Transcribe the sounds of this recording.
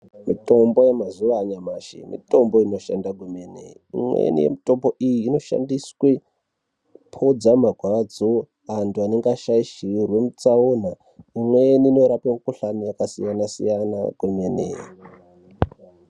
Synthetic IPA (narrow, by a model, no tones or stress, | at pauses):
mito̞mbo̞je̞mazuʋaːɲamaːʃḭmḭto̞mbo̞ino̞ʃandaɡʱumenḛiḭmwḛnḭje̞̰mito̞mbo̞ʔijiːno̞ʃa̰ndiswe | pʰod͡zamaɡʱwad͡zo | antuane̞ŋɡaʃaiʃiurwe̞mut͡sauna | imweniːno̞ɾapemukuɬamijakasḭjanasḭjana̰ɡ̥ʱumenḛi